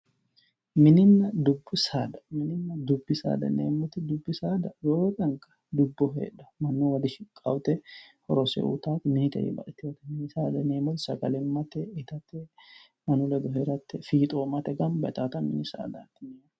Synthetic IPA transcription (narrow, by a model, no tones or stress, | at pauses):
mɪnɪnːɐd̪ʊbːʊsaːd̪ɐmɪnɪnːɐd̪ʊbːɪsa̰ːd̪ɐ̰nḛːmːʊt̪ɪd̪ʊbːɪsaːd̪ɐjoːkʼɐŋkɐ̥d̪ʊbːɔɦḛːᶑɐ̥mɐnːuwɐd̪ɪʃɪkʼːɐwt̪ɛhɔɾɔsɛ̰ʔṵt̪aːt̪ɪmɪnɪt̪ɛ̰ʔḭbɐ̰ʔɛt̪ːɪwɐt̪ɛ̥mɪnɪsaːd̪ɐneːmʊt̪sɐɡɐlɛnmɐt̪ɛɪt̪ɐt̪ːɛ | mɐnʊlɛɡ̪ɔɦeɾɐt̪ːɛfiːt̪ʼoːmɐt̪ɛɡɐnbɐt̪aːt̪ɐmɪnɪsa̰ːd̪a̰ːt̪ːɪneː